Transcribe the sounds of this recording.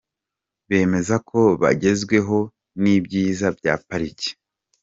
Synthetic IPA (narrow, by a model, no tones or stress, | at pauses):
βe̞ːme̞zakʰo̞βa̰ɟe̞zɡwe̞ɦo̞ | nibɟiːzabja̰ːpaɾici̥